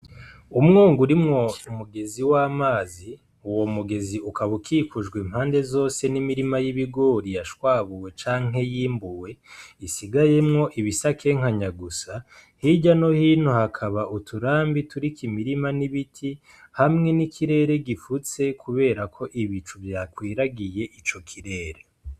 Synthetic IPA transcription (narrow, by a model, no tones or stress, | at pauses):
umŋoːŋɡuɾimŋo̞umuɡe̞ziwamaːzi | uwo̞muɡe̞ziukaβukʰiːkuʒɡwemhaːnde̞zo̞ːse̞nimiɾimajiβiɡo̞ːɾijaʃwaːβuwe̞t͡ʃaːŋ̥ɦe̞jiːmbuwe̞isiɡaje̞mŋo̞ʔiβisakʰe̞ŋ̥haɲaɡusahiɟano̞hiːn̥huhakʰaβaʔutʰuɾaːmbituɾikimiɾimaniβitʰi | hamŋe̞nikʰiɾe̞ːɾe̞ɡifut͡se̞kʰuβe̞ːɾakʰo̞ʔiβit͡ʃuvjakwiːɾaɡije̞ʔit͡ʃo̞kʰiɾe̞ːɾe